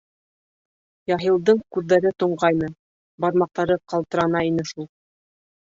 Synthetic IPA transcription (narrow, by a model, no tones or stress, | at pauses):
jɑɦɤ̆lˠd̪ɤɴkʉðːæɾɘt̪ŏɴɢɑjnɤ | bɑɾmɑq̚t̪ɑɾɤqɑlˠt̪ɤ̆ɾɑnɑinɘʃulˠ